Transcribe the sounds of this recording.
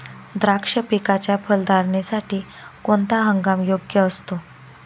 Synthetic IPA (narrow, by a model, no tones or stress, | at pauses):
d̪ɾakʂəpikat͡ɕjapʰəld̪ʱaɾɳesaʈiː | koɳt̪aɦəŋɡamjoɡjəːst̪o